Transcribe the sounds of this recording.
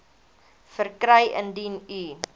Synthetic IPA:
fərkɾəjʔə̰ndiny

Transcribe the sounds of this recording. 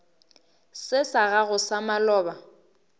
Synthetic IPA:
sɪsaɣaɣʊsamalɔːba

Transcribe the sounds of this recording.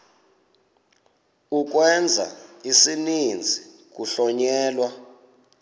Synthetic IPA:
uk̬wɛnd͡zʱa̰isinind͡zʱi | k̬ʼuɬɔɲɛːlwa

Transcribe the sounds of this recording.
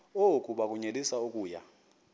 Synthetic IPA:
okʼuɓak̬ʼuɲelisaokʼuːja

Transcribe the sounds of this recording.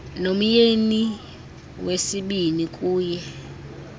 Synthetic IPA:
nom̩jeni | wesiɓinikʼuːjɛ

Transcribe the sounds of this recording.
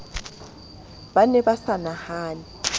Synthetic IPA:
banɛbasanahaːni

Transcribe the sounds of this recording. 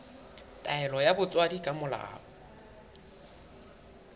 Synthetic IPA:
tʼaɛlɔjabʊt͡sʼwadikʼamʊla̰a̰ːʊ

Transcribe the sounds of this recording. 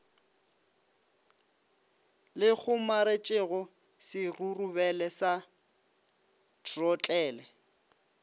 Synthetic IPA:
lɪk͡xʰʊmaɾet͡ʃʼɪɣʊ | sɪrurubɛlɛsa | tʰʼrɔt͡ɬʼɛːlɛ

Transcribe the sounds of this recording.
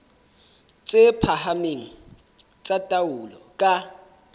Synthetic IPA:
t͡sʼɪpʰahameŋ̩ | t͡sʼatʼawʊlɔ̰kʼa

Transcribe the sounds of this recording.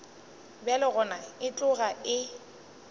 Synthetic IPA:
bɛlɪɣʊnaɪt͡ɬʼʊɣaɪ

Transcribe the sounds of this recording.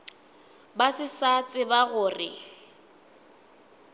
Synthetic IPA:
basɪsat͡sʼɪbaɣʊːrɪ̰

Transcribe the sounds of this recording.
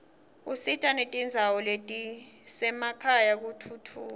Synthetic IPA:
usitʼanetʼind͡zʱawɔletʼisɛmakʰajak̬utʰutʰuː

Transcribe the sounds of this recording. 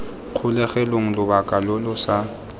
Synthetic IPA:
q͡χʰʊlɛɣɛloŋ̩lʊbakʼalʊlʊsa

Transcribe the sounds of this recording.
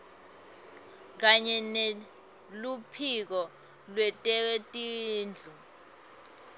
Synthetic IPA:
k̬aɲɛne | lupʰik̬ɔ | lwɛtʼɛtʼiːnd͡ɮʱu

